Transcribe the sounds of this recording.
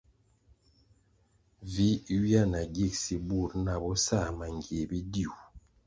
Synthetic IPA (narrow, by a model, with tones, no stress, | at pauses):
vi˦wi˦a˦˨na˨ɡi˦˨k̚si˦bu˦˨ɾna˨bɔ˦sa˦˨ma˨ŋɡe˨bi˦di˦˨u˨